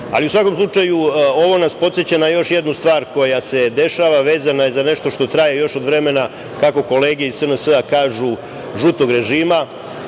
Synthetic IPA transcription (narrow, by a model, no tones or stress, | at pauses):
a̰liusʋako̞mslˠut͡ʃajuo̞ʋo̞naspo̞t̪se̞t͡ɕanajo̞ʃje̞d̪nust̪ʋaːɾko̞jase̞d̪e̞ʃaʋaʋe̞ːzanaje̞zane̞ʃt̪o̞ʃt̪o̞t̪ɾajejo̞ʃo̞d̪ʋɾe̞me̞na | kako̞ko̞le̞ːɡeisənəsəakaːʒu | ʒut̪o̞ɡɾe̞ʒiːma